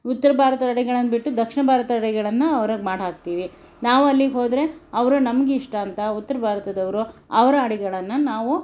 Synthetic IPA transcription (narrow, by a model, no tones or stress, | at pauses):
ut̪ːɐɾɐbʱaːɾɐt̪ɐɐɽɛɡɐɭɐnːɐbiʈːud̪ɐkʂiɳɐbʱaːɾɐt̪ɐɐɽɛɡɐɭɐnːɐɐʋɐɾɐmaːɽɦaːk̚t̪iːʋi | naːʋuɐlːiɡɦo̞ːd̪ɾe̞ɐʋɐɾunɐmɐɡeiʂʈɐːnt̪ɐut̪ːɐɾɐbʱaːɾɐt̪ɐd̪ɐʋɐɾuɐʋɐɾɐɐɽɛɡɐɭɐnːɐnaːʋu